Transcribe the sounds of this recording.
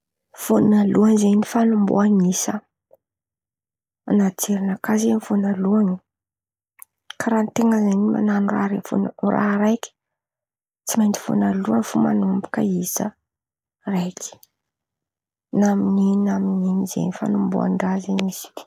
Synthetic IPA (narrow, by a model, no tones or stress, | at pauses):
fonaluaŋzenifanumbo̰aŋisə | anat͡seɾinakazenfonaluaŋi | kaɾant̪eŋɡəzeɲima̰nanura̰ɾefunra̰ɦɾajkʲi̥ | t͡simajnd̪i̥fo̰naluaŋfuma̰numbu̥kəisə̰ | rajkʰʲi̥ | namininamininizḛjnifa̰numbo̰a̰nɖ͡ʐazeɲiz̥i̥